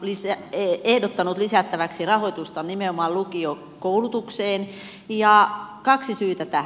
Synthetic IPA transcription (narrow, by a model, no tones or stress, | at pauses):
lisæeehdot̪ːɑnut̪lisæt̪ːæʋæksirɑhoit̪ust̪ɑnnimeomɑllukio | koulut̪ukseːn | jɑkɑksisyːt̪æt̪æ